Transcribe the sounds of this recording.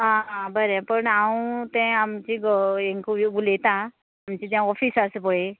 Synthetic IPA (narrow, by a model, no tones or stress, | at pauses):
ãbəɾepəɳaũt̪ɛ̃amt͡ɕiɡɔeŋkuɡulet̪ãː | mt͡ɕit̪jãɔfʰisasɨpɔe